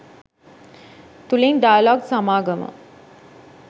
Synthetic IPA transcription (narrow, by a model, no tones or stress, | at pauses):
t̪uleŋɖ̪ajlɔːksamaːɡəmə̰